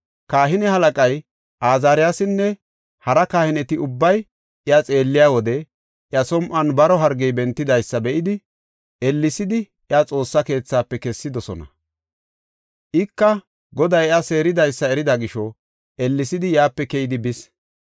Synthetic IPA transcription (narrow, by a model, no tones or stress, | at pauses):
kaːɦɪnɛhɐlɐkʼɐj | ʔaːzaːɾɪjaːsɪnːɛ | hɐɾɐkaːhɪnɛt̪ɪʊbːɐj | ɪɐt͡sʼe̞ːlːɪjaːwɔd̪ɛ | ʔɪjɐsɔmʔɐnbɐɾɔɦɐɾɡɛjbɛnt̪ːɪd̪ɐjsːɐbɛʔɪd̪ɪ | ɛlːɪsɪd̪ɪ | ʔɪɐt͡sʼo̞ːsːɐke̞ːt͡sːaːpːɛkɛsːɪd̪ɔsɔnɐ̰ | ʔɪkːɐ | ɡɔd̪ɐjɐse̞ːɾɪd̪ɐjsːɐɛɾɪd̪ɐɡɪʃɔ | ʔɛlːɪsɪd̪ɪjaːpːɛkɛjɪd̪ɪbɪs